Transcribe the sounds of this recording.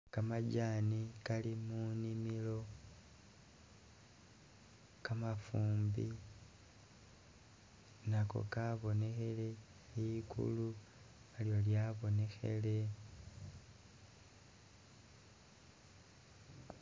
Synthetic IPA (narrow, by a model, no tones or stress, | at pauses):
kamaɟaːnikalimunimilo̞ | kamafuːmbi | nako̰kaβo̞ne̞xe̞le̞ | ikʰṵlu | aljo̞ljaβo̞ne̞xe̞̰le̞